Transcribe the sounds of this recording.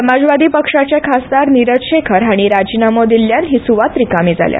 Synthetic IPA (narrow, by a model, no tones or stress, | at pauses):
əmad͡zʋad̪iːpəkʂat͡ɕjakʰasd̪aɾniɾət̪ɕekʰəɾaɽ̃iɾad͡ʑinamod̪iljanɦisuʋat̪ɾikamiːd͡za̰lja̰